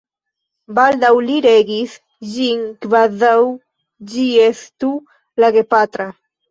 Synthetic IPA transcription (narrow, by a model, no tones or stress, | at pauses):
bald̪awliɾeɡis | ʒiŋkβaðaw | d͡ʒiest̪u | laɣepat̪ɾa